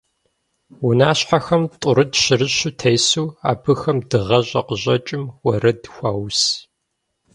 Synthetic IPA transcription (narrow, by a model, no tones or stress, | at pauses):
wʊnaːɕħaxɐmtʼʊɾɨdɕɪrɨɕʊtʰɐjsuːa̰ːbɨxɐmdɨʁɐʑʼɐqəʑʼɐt͡ʃʼɪmwɔɾɐdxʷaːws